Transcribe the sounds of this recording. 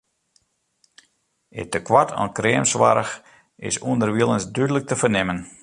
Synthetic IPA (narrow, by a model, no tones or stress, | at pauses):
ɪ̰təkʋatʰɔ̰nkreːəmsʋa̰ɾəx | ɪ̰suəndərʋiəlˠənsdydələk̚təfərnɪmən